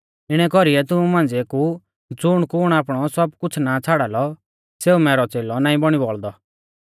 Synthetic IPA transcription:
ɪɽ̃ɛkɔɾiɛt̪ʊmũmãːnd͡zeku | d͡zʊɽ̃kʊɽ̃aːp̬ɽ̃ɔsɔbkʊt͡sʰnat͡sʰaːɽaːlɔ | seːumɛːɾɔt͡seːlɔnaːĩbɔɽ̃ibɔɭd̪ɔ

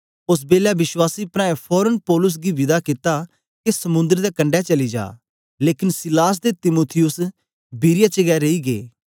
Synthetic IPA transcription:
ʊs̬beːlaːbɪswaːsiːpɾɛ̃ːẽpʰɔːɾənpɔːlʊs̬ɡiːʋɪd̪aːkɪt̪aː | kesɐmʊ̃nd̪əɾd̪eːkɐ̃ɳɖɛːt͡ʃɐliːd͡ʒa̰ː | leːkɪnsɪlaːs̬d̪eːt̪ɪmuːt̪ʰɪjʊs | biːɾɪjat͡ʃəɡɛːɾeiːɡḛː

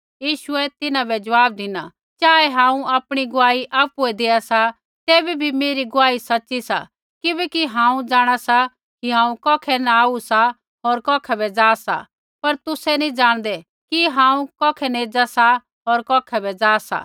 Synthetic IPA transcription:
jiːʃʊɛt̪ɪnãbɛd͡ʒɐʋaːb̚d̪ɪna | t͡ʃaːɛɦãːũaːpɽ̃iɡʊaːiʔaːpuɛd̪eːasa | t̪eːbibʱimeːɾiɡʊaːisɐtːʃisa̰ | kɪbɛkiɦãːũd͡ʒaːɽ̃asa | kiɦãːũkɔːkʰɛnaaːusa | ɦoːɾkɔːkʰɛbɛd͡zaːsa̰ | pɐɾt̪ʊsɛnĩd͡ʒaːɽ̃d̪ɛ | kiɦãːũkɔːkʰɛneːd͡ʒasa | ɦoːɾkɔːkʰɛbɛd͡zaːsa̰

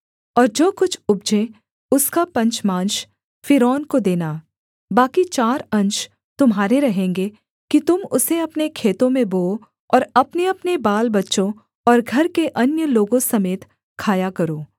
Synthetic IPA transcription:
ɔːɾd͡ʒoːkʊt͡ʃʰʊb̚d͡ʒẽ | ʊskapɐ̃ɲt͡ʃmãːnʃ | fɪɾɔːnkod̪eːnaː | baːkit͡ʃaːɾɐ̃ɲʃ | t̪ʊmɦaːɾeɾɐɦẽːŋɡe | kit̪ʊmʊseɐpnekʰeːt̪õmẽboːo | ɔːɾɐpneɐpnebaːlbɐtːʃõ | ɔːɾɡʱɐɾkeʔɐnjəloːɡõsɐmeːt̪ | kʰaːjakɐɾoː

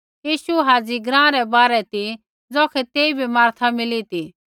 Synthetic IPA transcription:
jiːʃuɦaːd͡ziɡɾãːɾɛbaːɾɛt̪i | d͡zɔːkʰɛt̪eːibʱimaːɾt̪ʰamɪlit̪i

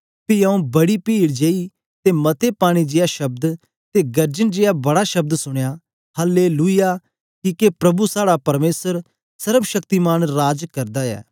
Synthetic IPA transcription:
piɐũbɐɽipiːɽd͡ʒeːi | t̪emɐt̪ʰepaːɽ̃id͡ʒɪjaʃɐb̚d̪ | t̪eɡɐɾd͡ʒənd͡ʒɪjabɐɽaʃɐb̚d̪sʊɽ̃ja | hɐlːeluija | kikepɾɐbusaːɽapɐɾmeːsəɾ | sɐɾəbʃɐkt̪imaːñɾaːd͡ʒkɐɾd̪aɛ̰ː

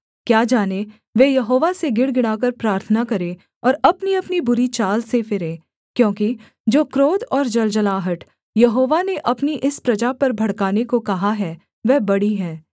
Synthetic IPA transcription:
kjaːd͡ʒaːne | ʋeːjɐɦoːʋaseɡɪɽɡɪɽaːkɐɾpɾaːɾt̪ʰənakɐɾẽ | ɔːɾɐpniɐpnibʊɾit͡ʃaːlsefɪɾẽː | kjõːki | d͡ʒoːkɾoːd̪ɔːɾd͡ʒɐld͡ʒɐlaːɦəʈ | jɐɦoːʋaneʔɐpniʔɪspɾɐd͡ʒapɐɾbʱɐɽkaːnekokɐɦaɦɛː | ʋɛːbɐɽiɦɛː

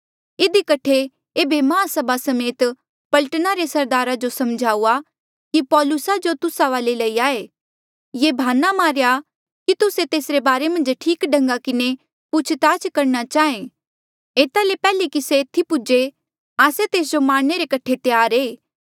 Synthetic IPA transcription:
ɪd̪ikɐʈʰːe | eːbemɐãsɐbʱasɐmeːt̪ | pɐlʈənaɾesɐɾd̪aːɾad͡ʒosɐmd͡ʒʱaːua | kipɔːlʊsad͡ʒot̪ʊsaʋaːleləiaːe | jeːbʱaːnamaːɾja | kit̪ʊset̪eːsɾebaːɾemɐ̃nd͡ʒʈʰiːkɖɐ̃ŋɡakɪne | pʊt͡ʃʰt̪aːt͡ʃkɐɾnat͡ʃaːẽ | eːt̪alepɛːlekiset̪ʰːipʊd͡ʒe | aːset̪eːs̬d͡ʒomaːɽneɾekɐʈʰet̪jaːɾeː

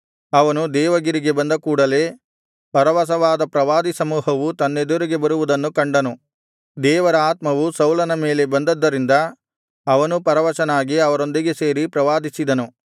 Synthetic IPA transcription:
ɐʋɐnud̪ɛːʋɐɡiɾiɡe̞bɐnd̪ɐkuːɽɐle̞ː | pɐɾɐʋɐs̬ɐʋaːd̪ɐpɾɐʋaːd̪isɐmuːɦɐʋut̪ɐnːed̪uɾiɡe̞bɐɾuʋud̪ɐnːukɐɳɖɐnu | d̪ɛːʋɐɾɐaːt̪mɐʋusɐwlɐnɐme̞ːle̞bɐnd̪ɐd̪ːɐɾind̪ɐː | ʋɐnupɐɾɐʋɐʃɐnaːɡiɐʋɐɾo̞nd̪iɡe̞se̞ːɾipɾɐʋaːd̪isid̪ɐnu

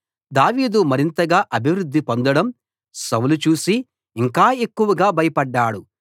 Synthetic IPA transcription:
d̪aːʋiːd̪umɐɾint̪ɐɡaːʔɐbʱiʋɾud̪ːipond̪ɐɽɐm | sɐwulut͡ʃuːsiː | ŋkaːe̞kːuʋɐɡaːbʱɐjɐpɐɖːaːɽu

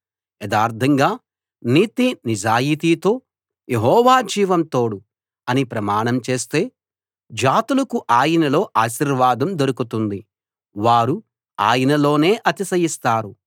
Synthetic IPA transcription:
jɐd̪aːɾt̪ʰɐŋɡaː | niːt̪inid͡ʒaːjiːt̪iːt̪o̞ː | jeɦɔːʋaːd͡ʒiːʋɐmt̪o̞ːɽu | ɐnipɾɐmaːɳɐmt͡ʃe̞ːst̪e̞ː | d͡ʒaːt̪ulɐkuʔaːjɐnɐlo̞ːʔaːʃiɾʋaːd̪ɐmd̪oɾukut̪und̪i | ʋaːɾu | a̰ːjɐnɐlo̞ːne̞ːʔɐt̪isɐjist̪aːɾu

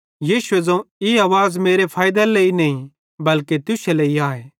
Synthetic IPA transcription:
jiːʃʊezɐ̃ũiaːʋaːzmeːɾepʰaːɪd̪eleinɐĩ | bɐlket̪ʊselɐiaːe

